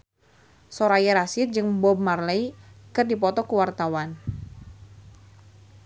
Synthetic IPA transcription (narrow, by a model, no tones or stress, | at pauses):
sɔɾajɛɾasit̪̚d͡ʒɨŋbɔb̚marlɛjikɨrdip̬ɔt̪ɔkuwart̪awan